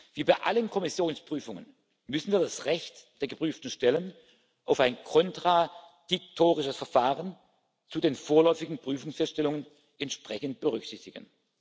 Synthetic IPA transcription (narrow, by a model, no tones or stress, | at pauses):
v̥iːbaɪʔa̰lənkʰɔmɪsjoːnspʁ̥yːfʊŋə̰n | mʏsn̩viːɐdasʁɛçtd̥eːɐɡəpʁ̥yːftn̩ʃtɛlən | ʔaʊfaɪnkʰɔntʁ̥a | dɪk̚tʰoːʁɪʃəsfɛɐfaːʁən | t͡suːdeːnfoːɐlɔʏfɪɡŋ̩pʁ̥yːfʊŋsfɛstʃtɛlʊŋən | ʔɛntʃpʁ̥ɛçənt̚b̥əʁʏksɪçtɪɡ̥ən